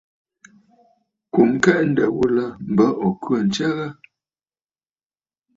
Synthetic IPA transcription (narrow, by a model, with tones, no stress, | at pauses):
ku˨m˦kɛ˦ʔn̩˦də˨wu˦lə˦m̩˨bə˦ʔɔ˨kwə˨n̩˨t͡ʃɛ˦ɣə˦